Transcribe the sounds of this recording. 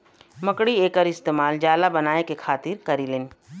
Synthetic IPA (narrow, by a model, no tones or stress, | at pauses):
mɐkɽieːkəɾɪst̪eːmaːld͡ʒaːlabɐnaːekekʰaːt̪ɪɾkɐɾileːn